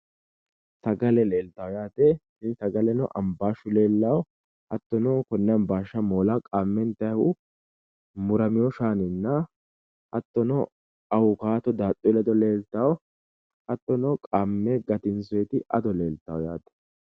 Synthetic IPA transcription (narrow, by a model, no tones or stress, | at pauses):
t̪ɐɡɐlɛleːlt̪ɐwɔjaːt̪ɛ | ɪnsɐɡɐlɛnɔʔɐmbaːʃʊle̞ːlːɐw | ɐt̪ːɔnɔkɔnːɛmbaːʃːɐmoːlɐkʼaːmːɛnt̪ɐjhʊ | mʊɾɐmɪjɔʃaːnɪnːɐ | ɐt̪ːɔnɔ | ɐwʊkaːt̪ɔd̪aːt̪ʼːɔlɐd̪ɔle̞ːlt̪ɐw | ɐt̪ːɔnɔkʼaːmːɛɡɐt̪ɪnsʊjɛt̪ɪʔɐ̰d̪ɔle̞ːlt̪ɐwɔja̰ːt̪ɛ̥